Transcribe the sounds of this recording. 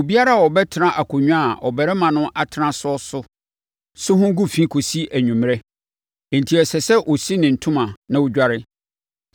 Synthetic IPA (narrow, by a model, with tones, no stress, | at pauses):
o˨bi˦a˦ɾa˦˨wɔ˨bɛ˦tʰɪ˨˦nã˦ʔa˨kʰo˨ɲᶣũ˦a˨ɔ˨bɛ˨ɾɛ˦mã˨nʊ̃˦ʔa˨tʰɪ˨˦nã˦sʊ˦ɔ˦sʊ˦ | sʊ˦ɦʊ̃˦ɡu˦fĩ˦kʰo˨si˦ʔæ˨ɲᶣũ˨m˨ɾɛ̃˦˨ | n̩˨tʰi˨ɛ˨sɛ˨sɛ˦ʔo˨si˦nɪ̃˨n̩˨tʰʊ̃˦mã˨nã˦wʊ˦d͡ʑᶣa˦ɾɪ˦